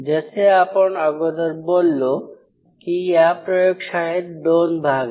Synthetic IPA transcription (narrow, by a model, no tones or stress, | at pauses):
d͡ʑet͡ɕʰeaponaɡod̪aɾbolːo | kiapɾɔjokʃaɦeɾd̪onbʱaɡ